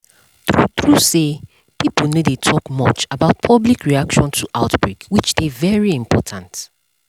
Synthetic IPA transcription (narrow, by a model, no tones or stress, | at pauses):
θɹuθɹuse | piplnodetʰɔkmɔt͡ʃabaʊt̚pʰɔblikɹiakʃɔ̃ntʰuʔaʊtbɹekwit͡ʃdevɛɹiɪ̃mpʰɔtʰãnt